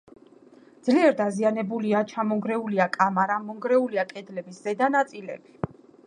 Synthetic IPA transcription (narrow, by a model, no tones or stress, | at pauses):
d̪z̥liɛɾd̪azianɛbuliat͡ʃʰamɔŋɡɾɛuliakʼamaɾamːɔŋɡɾɛuliakʼɛd̪lɛbisz̥ɛd̪anat̪sʼilɛbi̥